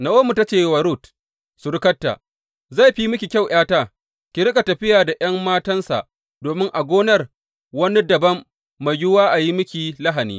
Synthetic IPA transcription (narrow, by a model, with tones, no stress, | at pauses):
na˨woː˦mu˨ta˦t͡ʃeː˨jwa˨ɾu˦˨t | sʊ˨ɽɪ˦kɐ˦tːa̰˨ | za˦˨ɸi˦mʊ˦kʲi˨kʲa˦˨wʔaː˦taː˦˨ | kʲɪ˨ɽɪ˦kʼa˨tɐ˨ɸɪ˦jaː˨da˨ʔɐ˦mːaː˦tɐ˦nsa̰˨ʔ | doː˨mɪ˦ŋʔa˨ɡʷoː˦nɐ˦r | wɐ˦ni˦dɐ˨bɐ˦mː | a˨jjʊ˦waː˦ʔa˨ji˦mʊ˦kʲi˨lɐ˦ɦa˨nḭː˦